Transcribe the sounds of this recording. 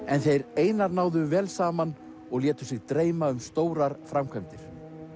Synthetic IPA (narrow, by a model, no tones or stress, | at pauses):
ɛnθejɾeːjnaɾnaːwðʏvɛːlsaːman | ɔɣljɛːt̪ʏ̥sɪɣt̪ɾeːjmaʏmst̪oːwɾaɾ̥fɾamkʰvɛmt̪ɪɾ̥